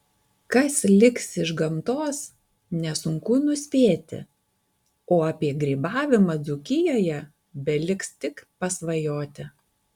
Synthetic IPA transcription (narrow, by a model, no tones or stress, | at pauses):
kɐslʲɪksɪʒɡɐmt̪oːs | nʲɛsʊŋkʊnʊsʲpʲeːt̪ʲɪ̰ | oːɑːpʲiɛɡɾʲiːbɑːʋʲɪmɐd̪zʊkʲɪjoːjɛ | bʲɛlʲɪkst̪ʲɪkpɐsʋɐjoːt̪ʲɪ